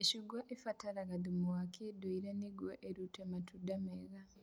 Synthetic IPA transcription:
eʃiɡwaʔefataɾaɣaðimuwakedoiɾaniɡweʔeɾutematudameɣa

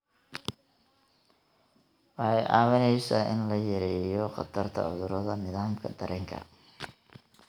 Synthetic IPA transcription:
wɑħɑjʔɑ̰ːwɐnɛjsaːʔɪnlɐjɛɾɛːjɔqɑt̪ʰɐrt̪ʰɐ̰ʕʊðʊɾɔðɐnɪðaːmkʰɐ̰d̪ɐɾʔɛːŋkʰɐ̰

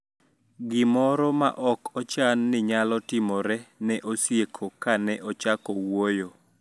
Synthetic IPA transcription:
ɡɪmɔɾɔma̰ʔɔkɔt͡ʃanːɪɲalɔtɪmɔɾɛnɛʔosjekʰokanɛʔɔt͡ʃakɔwojo

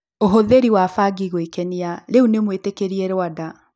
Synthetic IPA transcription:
oɦoðeɾiwafaɡiɣwekɛniaɾeunemwetekeɾieɾwada

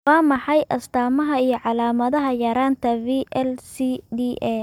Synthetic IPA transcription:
waːmɑħɑjʔɐst̪ʰaːmɐɦɐijɞʕɑlaːmɐðɐɦɐjɐɾaːnt̪ʰɐviːʔɛlsid̪iʔɛ

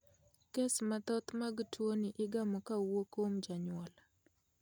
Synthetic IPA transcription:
kesmat̪ɔt̪maɡtʰwoniʔɪɡamɔkawokomd͡ʒaɲʊɔl

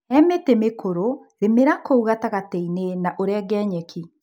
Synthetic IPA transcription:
ɛmetemekoɾo | ɾemeɾakouɣataɣateinenaʔoɾɛɡɛːɲɛki

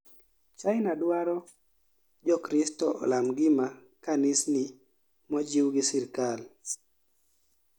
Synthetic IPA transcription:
t͡ʃajnadwaɾɔ | d͡ʒɔkɾɪstɔʔlamɡɪma | kanɪsni | mɔd͡ʒiwɡɪsɪɾkal

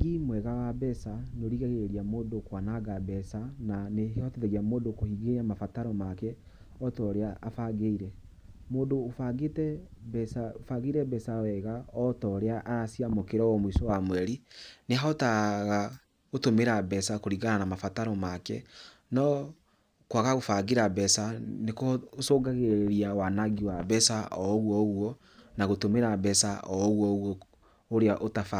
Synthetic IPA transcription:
ɡimwɛɣawabɛsanoɾiɣaɣeeɾiamoːdokwanaɡabɛsananehehɔteðɛɣamoːdokohiɡeamafataɾɔmakɛ | ɔtɔɾeaafaɡeiɾɛ | moːdoːfaɡetɛbɛsaofaɣeiɾɛbɛsawɛɣaɔtɔːɾeaʔaɾasiamokeɾɔwɔmwisɔwamwɛɾineɦɔtaɣa | ɣotomeɾabɛsakoɾiɣananamafataɾɔmakɛ̰ | nɔ | kwaɣaɣofaɡeɾabɛsanekosoːɡaɣeeɾiawanaɡiwabɛsaʔɔɣwɔɣwɔ | naɣotomeɾabɛsaɔɣwɔɣwɔ | oɾeaʔotafa

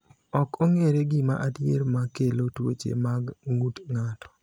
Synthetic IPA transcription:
ɔkʰɔŋeɾeɡɪma̰ʔadjeɾmakelotwo̰t͡ʃḛmaɡŋutŋatɔ̥

